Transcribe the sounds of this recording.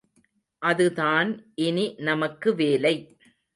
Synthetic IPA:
ʔɐðɯðaːnʔɪninɐmɐkːɯʋeːlɐɪ

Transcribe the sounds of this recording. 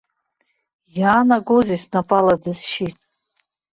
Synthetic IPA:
jaːnaɡozisnapʼaladɨzʃitʼ

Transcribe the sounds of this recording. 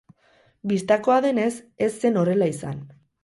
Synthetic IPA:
bist̪ako̞aðe̞ne̞s | e̞sːe̞no̞re̞laisan

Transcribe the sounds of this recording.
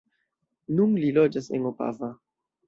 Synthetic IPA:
nunlilod͡ʒasḛnopa̰va

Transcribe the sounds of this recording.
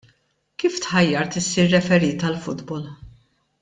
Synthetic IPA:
kiːft̪ħɐjːɐɾt̪ɪsːiːɾːɛfɛɾiːt̪ɐlfʊd̪bɔl

